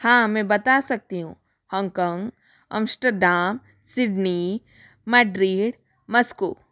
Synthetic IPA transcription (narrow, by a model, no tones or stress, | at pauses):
hãːmɛ̃ːbɐt̪asɐk̚t̪iɦṵ̃ː | hɔ̃ːŋɡkɔ̃ːŋɡ | ɐ̰̃msʈəɾɖaːm | sɪɖni | mɛːɖɾiːɖ | mɐskoː